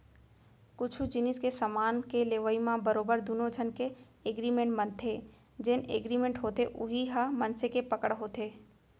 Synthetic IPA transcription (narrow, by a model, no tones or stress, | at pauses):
kʊt͡ʃʰud͡ʒɪnɪskesamaːnkeleːʋəimãbəɾoːbəɾd̪unod͡ʒʱənke | eɡɾimẽɳʈbɐ̃nt̪ʰe | d͡ʒɪnḛːɡɾimẽɳʈɦoːt̪eʔʊɦiɦamɐnsekepɐkəɽɦoːt̪eː